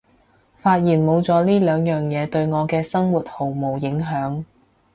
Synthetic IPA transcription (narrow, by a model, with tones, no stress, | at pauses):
faː˧t̚jiː˨˩nmo˨˧wt͡sɔː˨˥liː˥lœː˨˧ŋjœː˨˩ŋjɛː˨˧t̪ɵ˧ɥŋɔː˨˧kɛː˧sɐ˥ŋwuː˨˩t̚ho˨˩wmo˨˩wjɪ˨˥ŋɦœː˨˥ŋ